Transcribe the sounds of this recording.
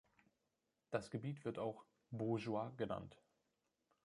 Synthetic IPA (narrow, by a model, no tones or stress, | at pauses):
d̥asɡ̥əbiːtv̥ɪɐtaʊx | boʒuaɡəna̰nt